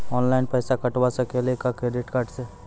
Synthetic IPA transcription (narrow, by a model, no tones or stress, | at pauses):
ɔːnlaɪnpɛːsakɐʈwasakelekakɾeɖɪʈkaːɾʈse